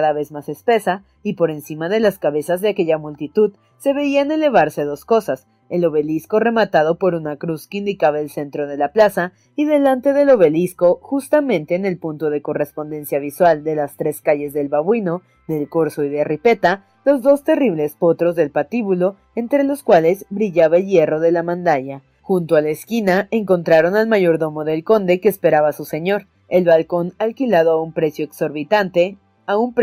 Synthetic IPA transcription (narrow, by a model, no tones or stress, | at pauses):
aðaβe̞zmasespe̞sa | ipo̞ɾe̞nsimaðe̞laskaβe̞sazðe̞ake̞ʝamult̪it̪uð | se̞βe̞iane̞le̞β̞aɾse̞ðosko̞sas | e̞lo̞βe̞lisko̞re̞mat̪að̞o̞po̞ɾunakɾuskeind̪ikaβaelse̞nt̪ɾo̞ð̞e̞laplasa | iðe̞lant̪e̞ðe̞lo̞βe̞lisko̞xust̪amẽ̞nt̪e̞ːne̞lpunt̪o̞ðe̞ko̞re̞spo̞nd̪e̞nsjaβ̞iswald̪e̞last̪ɾe̞skaʝe̞zðe̞lβaβwino̞ | ðe̞lko̞ɾso̞iðeripe̞t̪a | lo̞zðo̞st̪e̞riβle̞spo̞t̪ɾo̞zðe̞lpat̪iβulo̞ | e̞nt̪ɾe̞lo̞skwale̞zbɾiʝaβaelje̞ro̞ð̞e̞lamãnd̪aʝa | xunt̪oalaeskinaeŋko̞nt̪ɾaɾo̞nalmaʝo̞ɾðo̞mo̞ðe̞lko̞nd̪e̞keːspe̞ɾaβasuse̞ɲo̞ɾ | e̞lβalko̞nalkilað̞o̞aumpɾe̞sjo̞ekso̞ɾβit̪ant̪e̞ | aump